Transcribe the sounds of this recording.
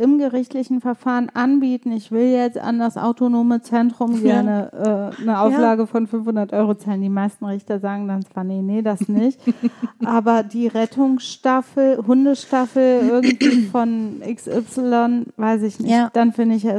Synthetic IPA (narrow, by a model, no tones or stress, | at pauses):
ʔɪmɡəʁɪçtlɪçn̩fɛɐfaːʁənʔanbiːtn̩ɪçv̥ɪljɛt͡sta̰ndasʔa̰ʊtonoːmət͡sɛntʁ̥ʊmɡɛɐnəʔɛːnəʔaʊflaːɡəfɔnfʏnfhʊndɐtʔɔʏʁot͡saːləndiːmaɪstn̩ʁɪçtɐzaːɡŋ̩dant͡sv̥aːɐnənədasnɪçtʔʔaːbɐdiːʁɛtʰʊŋsʃtafl̩hʊndəʃtafl̩ʔɪɐɡŋ̩tv̥iːfɔnʔɪksʔɪpsɪlɔnvaɪsɪçnɪçd̥anfɪndɪçɛ